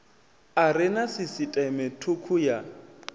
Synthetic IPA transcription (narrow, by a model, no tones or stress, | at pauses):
arɪnasɪsitʼɛmɛtʰukʰuja